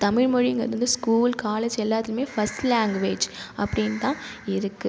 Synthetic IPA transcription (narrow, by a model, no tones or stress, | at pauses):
t̪ɐmɪɻmɔɻiɐŋɡɐ̰ɾʋɐnd̪ɯskuːlkaːled͡ʒɛlːaːt̪ːɪlɯmeːfɐsʈlaːŋɡʋeːd͡ʒɐpːɐɽɪnt̪ãːɪɾɯkːɯ